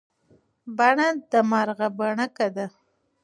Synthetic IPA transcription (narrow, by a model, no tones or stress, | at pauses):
baɳad̪əmaɾɣabaɳakad̪a